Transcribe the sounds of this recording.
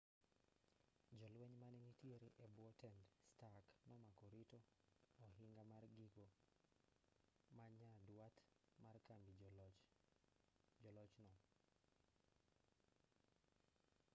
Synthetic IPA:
d͡ʒɔlweɲmanɛnitjeɾeʔebwɔtɛndstakmamakɔɾitɔɔɦɪŋɡamarɡiɡo | maɲadwat̪markambi | d͡ʒɔlɔt͡ʃnɔ

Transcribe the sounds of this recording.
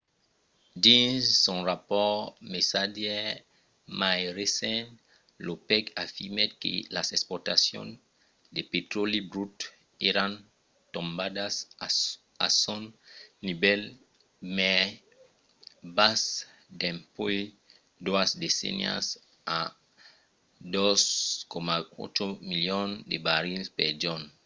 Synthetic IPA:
dĩzsɔ̃ʁapɔmesadɛ | majʁesɛ̃n | lopɛkafiʁmekḛlasɛkspɔʁt̪asjɔ̰̃n | d̪epet̪olibɾut̪ | eɾãn | t̪ɔ̃mbadas | a̰sonnibɛl | mɛ | bas | d̪ẽmpoj | d̪uasd̪esḛnj̰a̰s | a | d̪oskomao̰t̪ɾomiljond̪ebaɾilspeɾd͡ʒon

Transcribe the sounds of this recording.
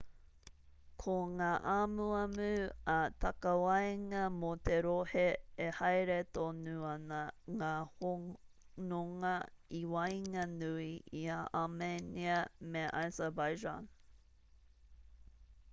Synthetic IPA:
kʰoŋaːʔamuɐmʉɐt̪ɐkɐwɐjŋɐmot̪eɾoheehɐjɾet̪onuɐnɐŋaːho | noŋɐiwɐjŋɐnʉiiaʔameniɐmeʔa̰zəbajd͡ʒa̰n

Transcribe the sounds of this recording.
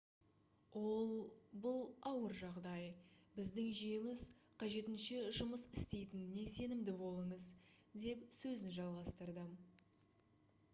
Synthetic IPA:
wo̞lˠbʊlˠɑwəɾʒɑʁd̪ɑj | bɪzd̪ɪŋʒijɪmɪzqʰɑʒe̞t̪ɪnʃɪʒʊməsɪst̪e̞jt̪ɪnːe̞se̞nɪmd̪ɪbo̞lˠəɴəz | d̪e̞psɵzɪnʒɑlˠʁɑst̪əɾd̪ə

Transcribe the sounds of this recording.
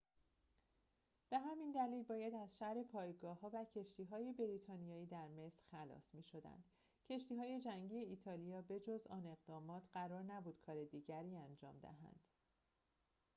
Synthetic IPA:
b̥e̞ɦæmind̪æliːlbɒːjæd̪æzʃæhɾe̞pʰɒːjɡɒːhɒːvæcʰe̞ʃt̪ʰiːɦɒːje̞be̞ɾiːt̪ʰɒːnijɒːiːd̪æɾme̞sɾ̥xælɒ̰ːsmiːʃo̞d̪æ̰nd̪̥ | cʰe̞ʃt̪iːɦɒːje̞d͡ʒæŋɟijeiːt̪ʰɒːlijɒːbe̞d͡ʒozɒ̰ːne̞ɣd̪ɒːmɒːt̪ʰɢæɾɒːɾnæbuːd̪̥̚kʰɒːɾe̞d̪iːɟæɾiːænd͡ʒɒ̰ːmd̪æ̰ɦæ̰nd̪̥

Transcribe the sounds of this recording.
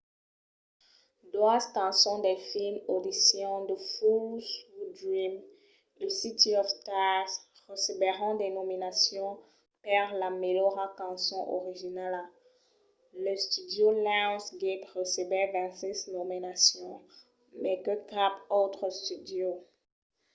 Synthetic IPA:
d̪waskɑ̃sɔ̃d̪ɛfilmod̪isjɔ̃d̪əfusud̪ɹim | esit̪iɔft̪as | ʁəsebɛʁɑ̃d̪enɔminasjɔ̃ | paʁlamelɔʁakɑ̃sɔ̃ʔɔ̰ʁiʒinala | ləst̪yd̪jolãsɡepʁəsebɛvɛ̃sɛznominasjɔ̃ | mɛkəkapot̪χəst̪yd̪jo

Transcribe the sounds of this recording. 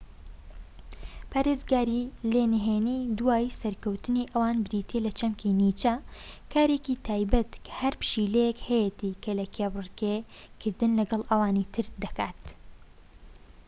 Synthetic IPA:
pʰaːɾezɡaːɾilenɦeːniːd̪uwaːjsɐɾkɐwt̪ɨniʔɐwaːnbɪɾiːt̪ʰelɐt͡ʃɐmkʰinit͡ʃɐkʰaːɾeːkit̪ʰaːjbɐt̪kʰhɐɾpɨ̥ʃilejekhɐjet̪ikʰɐlɐkʰebrkekʰɨɾd̪ɨnlɐɡɐlˠʔɐwaːnit̪ʰɨɾd̪ɐka̰ːt̪

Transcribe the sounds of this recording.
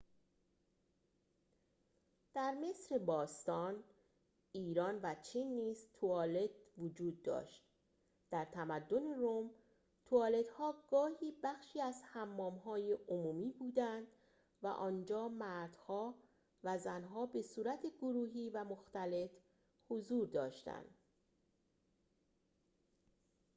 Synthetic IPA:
d̪̥æɾme̞sɾebɒːst̪ɒːn | iːɾɒːnvæt͡ʃʰiːnːiːz̥t̪ʰuɒːle̞d̪vod͡ʒuːd̪̚ːɒ̰ːʃt̪̚ | d̪̥æɾt̪ʰæmæd̪ːo̞ne̞ɾom | t̪ʰuɒːle̞d̪hɒːɡ̥ɒːhiːbæxʃiːæzhæmːɒːmɦɒːjeʔomuːmiːbuːd̪ænd̪ | væ̰ʔɒːnd͡ʒɒːmæɾd̪̥hɒː | væzænɦɒːbe̞suːɾæt̪ʰe̞ɡoɾuːɦiːvæmoxt̪æle̞t̪ | hozuːɾd̪ɒːʃt̪æ̰nd̪̥

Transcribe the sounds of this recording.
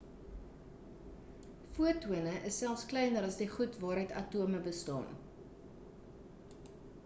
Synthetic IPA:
fuətuənəʔəsːælˠfsklɛjnəɾɐsdiχutvɑːɾətɐtuəməbəstɑ̰ːn

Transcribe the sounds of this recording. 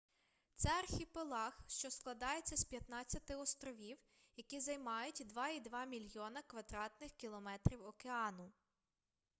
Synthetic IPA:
t̪sɛɐrxʲipelˠɑxʃt͡ʃɔsklˠɐd̪ɑje̞t͡sʲːɐspʲjɐt̪nɑt͡sʲːɐt̪ɪɔst̪ɾɔʋʲiw | jɐkʲizɐjmɑjʊtʲd̪ʋɑid̪ʋɑmʲilʲjɔnɐkʋɐd̪ɾɑt̪nɪxkʲilˠɔmɛt̪ɾʲiwɔkeɑnʊ

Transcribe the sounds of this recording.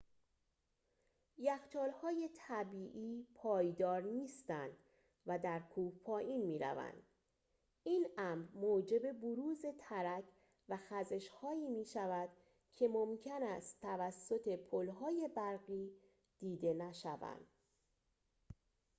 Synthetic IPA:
jæxt̪ʰɒːlhɒːje̞t̪ʰæbiːʔiːpʰɒːjd̪ɒːɾniːst̪ænd̪̥ | væd̪æɾkʰuːhpʰɒːjʔiːnmiːɾæ̰væ̰nd̪̥ | ʔinæmɾmoːd͡ʒe̞be̞boɾuːze̞t̪ʰæɾæcʰ | væxæze̞ʃhɒːiːmiːʃævæd̪̥ | cʰe̞momcʰenæst̪ʰːævæsːo̞t̪ʰe̞pʰolɦɒːje̞bæɾɣiː | d̪̥iːd̪e̞næʃævæ̰nd̪̥

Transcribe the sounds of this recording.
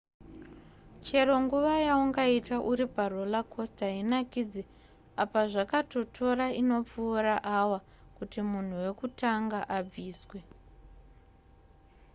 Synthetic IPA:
t͡ʃe̞ɾo̞ŋɡuʋajauŋɡaitaʔuɾiparo̞lakʰo̞staɦinakid͡ze | apaʐakato̞tʰo̞ɾaino̞p͡fuːɾaʔawa | kutimun̤uwe̞kutaŋɡaʔab͡viːswe̞

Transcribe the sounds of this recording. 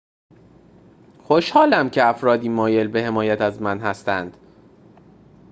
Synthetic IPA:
xoʃhɒːlæmcʰe̞æfɾɒːd̪iːmɒːje̞lbe̞he̞mɒːjæt̪ʰæzmænɦæst̪ænd̪̥

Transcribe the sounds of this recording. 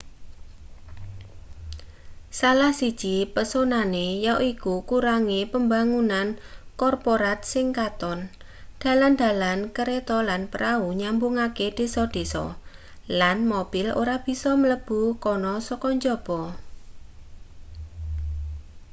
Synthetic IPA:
salahsid̥ʒ̥ipəsonanejaʔikukuɾaŋepəmbaŋunankɔrpoɾat̪̚sɪŋkat̪ɔn | d̥a̤land̪̥a̤lankəɾet̪ɔlanpəɾauɲambuŋaked̥e̤sɔd̥e̤sɔ̰ | lanmob̥ɪlo̰ɾab̥i̤sɔmələb̥ukɔnɔsɔkɔɲd͡ʒɔb̥ɔ

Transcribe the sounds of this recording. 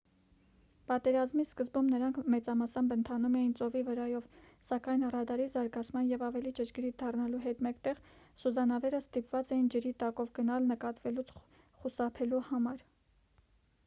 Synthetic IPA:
pɑt̪ɛɾɑzmiskəzbumnəɾɑŋkʰmɛt͡sɑmɑsɑmbənt̪ʰɑnumɛjint͡sɔvivəɾɑjɔv | sɑkɑjnərɑd̪ɑɾizɑɾɡɑt͡sʰmɑnjɛvɑvɛlit͡ʃət͡ʃɡɾit̪d̪ɑrnɑluɦɛt̪mɛkt̪ɛʁ | suzɑnɑvɛɾəst̪ipvɑt͡sɛjind͡ʒəɾit̪ɑkɔvɡənɑlnəkɑt̪vɛlut͡sʰ | χusɑpʰɛluhɑmɑɾ

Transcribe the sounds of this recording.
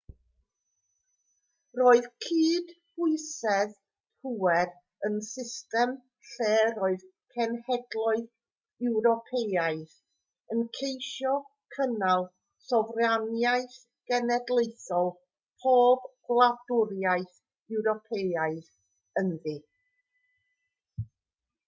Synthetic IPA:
roːɨðkʰiːd̥hʊɨsɛð | puwɛr | ənsɪstɛm | ɬeːɾoːɨðkʰɛnhɛdlˠʊɨð | ɛwɾɔpʰejaɨθ | ənkʰejʃɔkʰənalˠ | sɔvrjanjajθ | ɡ̥ɛnɛdlˠejθɔlˠ | pʰoːbɡ̥lˠadʊɾjaɨθ | ɛwɾɔpʰejaɨð | ənði

